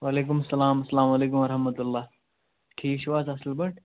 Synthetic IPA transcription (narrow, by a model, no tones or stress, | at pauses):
waleːk̬umɐsːɐlaːmɐsːɐlaːmaleːk̬umɐɾɦɐmɐt̪ulːaː | kʰiːʃʋaːzɐslbɐɳʈ